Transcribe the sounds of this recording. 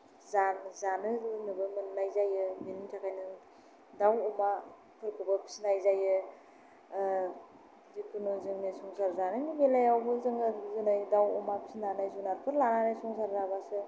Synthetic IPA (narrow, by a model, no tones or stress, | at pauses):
zanzanɯlɯnɯbɯmɯnlajzajɯminimtʰakʰajnɯ | dawɔma | pʰɯɾkʰɯbɯpʰi̥sinajzajɯ | zikunozɯŋnisɔŋsaɾzanɯnɯbelajawbɯzɯŋazɯnajdawɔmapʰi̥sinanajzunaɾpʰɯɾlananajsɔŋsaɾzabasɯ